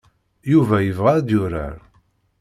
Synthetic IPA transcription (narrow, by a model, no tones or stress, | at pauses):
juvæjəvʁaɾd̪jʊɾa̰ɾ